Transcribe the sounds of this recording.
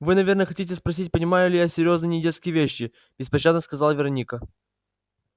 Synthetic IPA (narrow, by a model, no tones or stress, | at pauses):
vɨnɐvʲe̞rnəxɐtʲitʲɪspɾɐs̬ʲitʲpənʲɪmajʊlʲɪjasʲɪɾʲo̞znɨjnʲɪdʲet̪skʲɪjəvʲeɕːɪ | b̥ʲɪspɐɕad̪nəskɐzalˠvʲɪɾɐnʲikə